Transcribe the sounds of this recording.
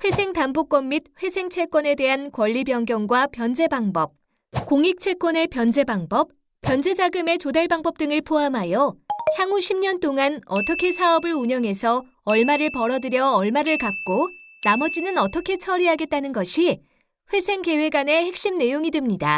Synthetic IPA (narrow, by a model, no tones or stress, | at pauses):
ɸwe̞sʰe̞ŋtambok͈wʌmːid̚ɸwe̞sʰe̞ŋt͡ɕʰe̞k͈wʌne̞de̞ɦankwʌʎːibjʌŋɡjʌnɡwapjʌnd͡ʑe̞baŋbʌp̚ | koŋik̚t͡ɕʰe̞k͈wʌne̞pjʌnd͡ʑe̞baŋbʌp̚ | p͈jʌnd͡ʑe̞d͡ʑaɡɯme̞t͡ɕodaɭbaŋbʌp̚t͈ɯŋɯɭpʰoɦamɦajʌçjaŋuɕʰimɲʌnt͈oŋanʌt͈ʰʌkʰe̞sʰaʌbɯɭuɲʌŋɦe̞sʰʌ | ʌɭmaɾɯɭpʌɾʌdɯɾjʌːɭmaɾɯɭkak̚k͈onamʌd͡ʑinɯnʌt͈ʌkʰe̞t͡ɕʰʌɾiɦaɡe̞t̚t͈anɯnɡʌɕʰi | ɸwe̞sʰe̞ŋke̞we̞ɡane̞he̞k̚ɕ͈imne̞joŋidwemɲida